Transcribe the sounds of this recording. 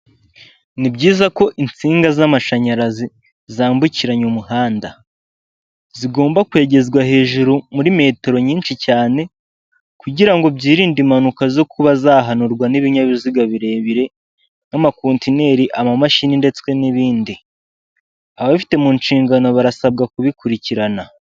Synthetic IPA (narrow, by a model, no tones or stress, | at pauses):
nibɟiːzako̞ʔint͡siːŋɡazamaʃaɲaɾazi | zaːmbuciɾaɲomuhaːnda | ziɡo̞ːmbakwe̞ːɟe̞zɡwahe̞ːʒuɾumuɾime̞ːteɾo̞ɲiːnʃicaːne̞ | kuɟiɾaŋɡo̞bɟiːɾiːndimanukazo̞kuβazaːɦanuɾɡwaniβiɲaβiziɡaβiɾe̞ːβiɾe̞ | namakoːntine̞ɾiʔamamaʃininde̞t͡skwe̞niβiːndi | aβaβfi̥te̞munʃiːŋɡano̞βaɾasab̚ɡakuβikuɾiciɾana